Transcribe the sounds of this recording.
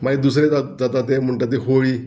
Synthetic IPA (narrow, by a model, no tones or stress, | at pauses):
maid̪us̬ɾet̪ad̪at̪at̪emuɳʈat̪eɦoɭiː